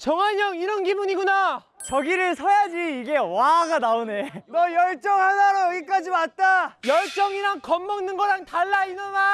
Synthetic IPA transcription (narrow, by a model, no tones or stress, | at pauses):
t͡ɕʌŋɦaɲʌŋiɾʌnɡibuɲiɡuna | t͡ɕʌɡiɾɯɭsʰʌjad͡ʑiːɡe̞waɡanaonenʌjʌɭt͡ɕ͈ʌŋɦanaɾojʌɡik͈ad͡ʑimat̚t͈ajʌɭt͡ɕ͈ʌŋiɾankʌmːʌŋnɯnɡʌɾaŋtaɭːainʌna